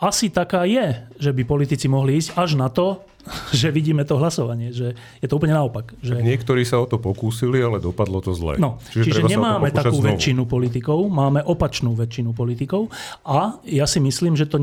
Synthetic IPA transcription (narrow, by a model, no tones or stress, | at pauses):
ʔasit̪akaːjɛʒɛbipɔlit̪it͡simɔɦliiːzcaʒnat̪ɔ | ʒɛʋiɟiːmɛt̪ɔɦlasɔʋaɲɪɛʒɛ | jɛt̪ɔuːp̬̩ɲɛnaɔpakʒɛɲɪɛkt̪ɔɾiːsaɔt̪ɔpɔkuːsilialɛd̪ɔpad̪lɔt̪ɔzlɛ̰nɔt͡ʃiʒt͡ʃiɾɛʒɛɲɛmaːmɛt̪akuːʋɛt͡ʃːinupɔlit̪̬ikɔʊmaːmɛʔɔpat͡ʃnuːʋɛt͡ʃinupɔlit̪ikɔʊajasimisliːmʒɛt̪ɔ